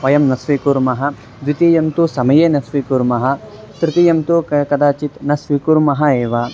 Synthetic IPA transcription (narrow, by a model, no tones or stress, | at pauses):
ʋɐjɐmnɐsʋikuɾmɐɦɐ | d̪ʋit̪ijɐmt̪usɐmɐjeːnɐsʋikuɾmɐɦɐ̆ | t̪ɾit̪ijɐmt̪ukɐd̪aːt͡ʃit̪nɐsʋikuɾmɐɦɐeːʋa